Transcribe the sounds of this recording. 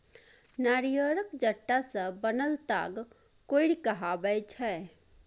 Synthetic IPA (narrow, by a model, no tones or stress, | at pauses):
naɾijəɾəkd͡ʒəʈːasə̃bənəlt̪a̰ɡ | koiɽikəɦabəjt͡ʃʰɛ